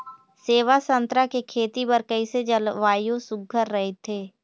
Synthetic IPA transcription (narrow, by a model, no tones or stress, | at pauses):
seːʋasə̃nt̪ɾakekʰeːt̪ipəɾkəised͡ʒəlʋaːjõsʊɡʱəɾːəɦet̪ʰeː